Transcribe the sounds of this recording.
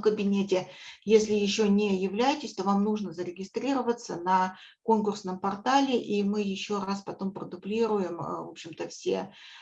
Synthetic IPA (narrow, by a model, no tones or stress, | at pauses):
kəbʲɪnʲetʲɪjesʲlʲɪjɪɕːonʲɪjɪvlʲæjɪtʲɪsʲt̪o̞vamnuʐnəzəɾʲɪɡʲɪst̪ɾʲiɾəvət̪sənɐ | ko̞nkʊrsnəmpɐrt̪alʲɪʔimɨjɪɕːoɾaspɐt̪o̞mpɾəd̪ʊblʲiɾʊjɪmvo̞pɕɪmt̪əfsʲe̞̰